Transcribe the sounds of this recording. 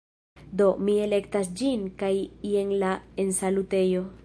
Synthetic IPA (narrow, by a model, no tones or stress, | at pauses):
d̪o̞mie̞le̞ktasd͡ʒinkajieŋlae̞nsalute̞jo̞